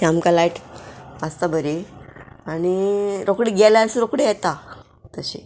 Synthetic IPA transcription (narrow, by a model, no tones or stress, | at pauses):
amkalajʈəst̪abʱəɾi | aɽ̃iɾokɽiɡɛlasɾokɽejɛt̪a | t̪əɕḭ